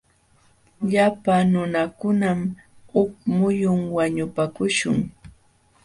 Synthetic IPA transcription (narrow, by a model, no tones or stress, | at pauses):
ʎapanʊnakʊnam | ʊk̚mʊjʊŋwaɲʊpakʊʃʊ̰ŋ